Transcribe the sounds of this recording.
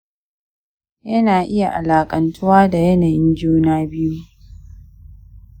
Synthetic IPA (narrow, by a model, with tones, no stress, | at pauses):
jɐ˦naː˨ʔɪ˦ja˨ʔa˨laː˨kʼɐ˨ntʰʊ˦waː˦da˨jɐ˦naː˨jɪ˦nd͡ʒuː˦naː˦bɪ˦ju˦